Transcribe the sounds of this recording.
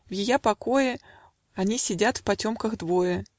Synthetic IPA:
vjɪjapɐko̞jɪ | ɐnʲisʲɪdʲat̪fpɐtʲo̞mkəxd̪vo̞jə

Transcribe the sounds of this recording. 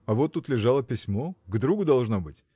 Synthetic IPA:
ɐvot̪ːut̪lʲɪʐalˠəpʲɪsʲmoɡd̪ɾuɡʊd̪ɐlˠʐnobɨtʲ

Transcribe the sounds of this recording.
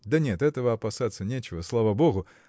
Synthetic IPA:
d̪ɐnʲet̪ɛt̪əvəɐpasat̪sːənʲet͡ɕɪvəslˠavaboɣʊ

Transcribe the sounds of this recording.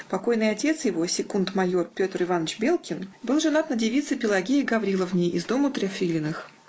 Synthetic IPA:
pɐko̞jnɨjɐtʲe̞t̪sɨjɪvo̞sʲɪkunt̪mɐjo̞rpʲo̞t̪ərɨvanːət͡ɕbʲe̞lˠkʲɪnbɨlˠʐɨnat̪nədʲɪvʲit̪sɨpʲɪlˠɐɡʲeɪɡɐvɾʲilˠəvnʲejɪzd̪o̞mət̪ɾʲɐfʲilʲɪnɨx

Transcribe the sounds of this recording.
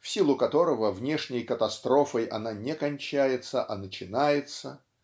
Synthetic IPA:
fsʲilˠʊkɐt̪o̞ɾəvəvnʲe̞ʂnʲɪjkət̪ɐst̪ɾo̞fəjʔɐnanʲekɐnʲt͡ɕæjɪt̪səʔɐnət͡ɕɪnajɪt̪sə

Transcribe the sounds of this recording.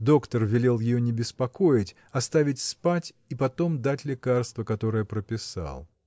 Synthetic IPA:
d̪o̞kt̪ərvʲɪlʲelˠjɪjonʲɪbʲɪspɐko̞jɪtʲ | ɐst̪avʲɪtʲspatʲ | ipɐt̪o̞md̪atʲlʲɪkarst̪vəkɐt̪o̞ɾɨjəpɾəpʲɪsɑ̰lˠ

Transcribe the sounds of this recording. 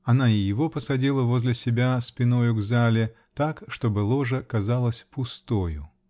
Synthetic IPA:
ɐnaɪjɪvo̞pəsɐdʲilˠəvozʲlʲɪsʲɪbʲaspʲɪnojʊɡzalʲɪ | t̪akʂt̪o̞bɨlˠo̞ʐəkɐzalˠəsʲpʊst̪ojʊ̰

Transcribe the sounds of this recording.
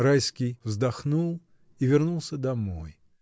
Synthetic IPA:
ɾajskʲijvzd̪ɐxnulˠ | ivʲɪrnulˠsʲəd̪ɐmoj

